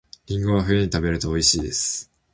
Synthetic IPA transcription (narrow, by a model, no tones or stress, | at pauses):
ɾʲĩŋɡoβaɸɯ̟jeɲ̟it̪abe̞ɾɯ̟t̪oːiɕiːd̪e̞sɨ̥